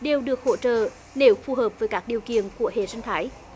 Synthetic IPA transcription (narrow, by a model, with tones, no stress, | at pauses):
ɗe˨˩wɗɨ˨˩ək̚ho̰˧˨t͡ɕə̰ː˧˨ | ne˨˦wk̚fu˨˩ɦəː˨˩p̚vəː˨˦jkaː˦˥k̚ɗi˨˩əwkḭ˧˨ənku˧˩əhḛ˧˩zə˧nt̪ʰaː˨˦j